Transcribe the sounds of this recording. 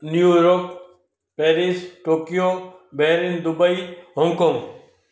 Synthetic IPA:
njuːɾoːk | peːɾisʈoːkijoːbeːɾind̪ʊbəiɦɔŋkoŋɡ

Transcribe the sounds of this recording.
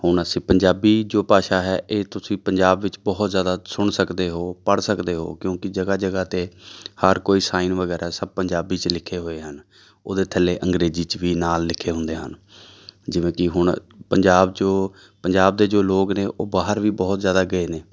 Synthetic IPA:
hʊɳəsĩːpəɲd͡ʒaːbiːd͡ʒoːpaːʃaːɦɛːʔeːt̪ʊsĩːpəɲd͡ʒaːbʋɪt͡ʃbɔːt̪zjaːd̪aːsʊɳsəkd̪eːɦoːpəɽsəkd̪eːɦo̰ːkjõːkɪd͡ʒəɡaːd͡ʒəɡaːt̪eːhəɾkoːiːsaːiːnʋəɡɛːɾʔaːsəb̚pəɲd͡ʒaːbiːt͡ʃlɪkʰːeːɦoːeːɦən | oːd̪eːt̪ʰəleːʔəŋɡɾeːziːt͡ʃʋiːnaːlːɪkʰːeːɦʊ̃nd̪eːɦə̰n | d͡ʒɪʋẽːkɪɦʊɳpəɲd͡ʒaːbd͡ʒoː | pəɲd͡ʒaːb̚d̪eːd͡ʒoːloːɡneːʔoːbaːɦəɾʋiːbɔːt̪zjaːd̪aːɡəeːneː

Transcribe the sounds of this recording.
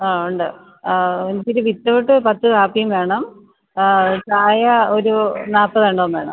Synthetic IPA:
aːuɳɖɨ | enit͡ɕːiɾuʋit̪ːɐʋoʈːɨpɐt̪ːɨkaːpːijumʋe̞ːɳɐm | taːjɐoɾunaːpːɐðeːɳɖɐɐnːʋeːɳɐ̰m

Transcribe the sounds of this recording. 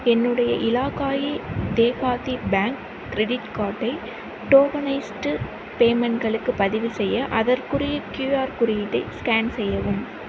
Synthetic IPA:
ɛnːɯɽɐjɐʔɪlaːkaːjid̪eːpaːðibaːŋkː | ɾɛɽɪʈkaːʈːɐɪ | ʈoːɡɐnɐɪsʈɯ | peːmɛɳʈɡɐɭɯkːɯpːɐðɪʋɯsɛjːɐʔɐðɐɾkɯrɪjɐkjuːaːɾkʊɾɪjɪʈːɐɪskaːnsɛjːɐʋɯm

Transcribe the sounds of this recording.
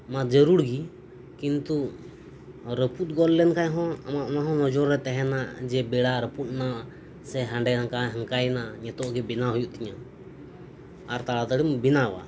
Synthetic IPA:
mad͡ʒəɾuɽɡi | kint̪u | ɾəput̪̚ɡɔllɛnkaɲɦɔ̃a̰maʔnaɦɔ̃nɔd͡ʒɔɾːɛt̪ɛɦɛnaʔd͡ʒɛbɛɽaɾəput̪̚nawaʔ | sɛɦãɳɖɛnaŋkaɦəŋkajnaʔɲɛt̪ɔʔɡɛbinaɦujuʔt̪iɲa | aɾt̪aɽat̪əɽimbinawa̰

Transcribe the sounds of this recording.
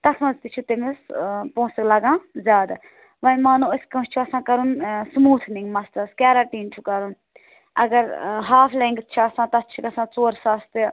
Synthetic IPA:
t̪ɐsmɐ̃zt̪it͡ʃʰut̪emespõːsɐklɐɡãːzʲaːd̪ | ʋɐnmaːnuɐsʲkɐ̃st͡ʃʰuɐsãːkɐɾunsmuːt̪ʰniŋɡmɐst̪ɐskaːɾaːʈiːnt͡ʃʰukɐɾun | ɐ̰ɡɐɾɦaːfʰlẽːŋɡt̪̚t͡ʃʰuɐsãːt̪ɐt̪̚t͡ʃʰikɐsãːt͡soːɾsaːst̪ɨ

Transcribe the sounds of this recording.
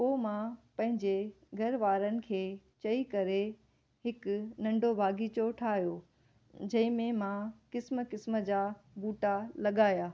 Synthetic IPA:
poːmãpɐ̃ɦɪ̃ɲd͡ʑe | ɡʱɐɾʋaːɾənɪ̆kʰeː | t͡ɕɐikɐɾe | ɦɪkʊnɐ̃ɳɖʱobʱaːɡit͡ɕoːʈʰaːɦijoː | d͡ʑɐ̃ɦɪ̃mẽmãkɪsmkɪsmə̆d͡ʑaːbuːʈalɐɠaːjaː

